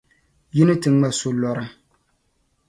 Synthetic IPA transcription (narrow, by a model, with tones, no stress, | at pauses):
ji˦nɨ˦tɨ˨ŋ͡ma˦so˦lɔ˨ɾɨ˦